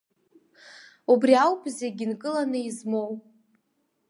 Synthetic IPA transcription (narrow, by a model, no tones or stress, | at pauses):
ubriawpʰʼzeɡʲinkʼɨlanɨizmo̞w